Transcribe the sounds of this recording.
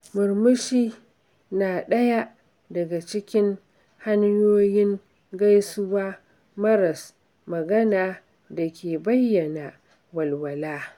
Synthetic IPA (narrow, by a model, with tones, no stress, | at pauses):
mʊ˨ɾmʊ˦ʃiː˦ | naː˨ɗɐ˦ja˦ | dɐ˨ɡa˨t͡ʃɪ˦kʲɪ˦ŋ | ha˦ɲjoː˦jɪ˦ŋ | ɡa˦jsʊ˦waː˦ | mɐ˦ɾɐ˨s | mɐ˨ɡɐ˦naː˨ | da˨kʲeː˨bɐ˦jːɐ˨na˨ | wɐ˨lwɐ˨laː˦